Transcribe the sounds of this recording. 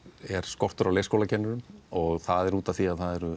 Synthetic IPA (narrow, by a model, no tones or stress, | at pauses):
ɛɾ̥skɔr̥t̪ʏɾawlejskowlacʰɛnːʏɾʏmɔɣθaðɛɾuːt̪aθiaðθaðɛɾʏ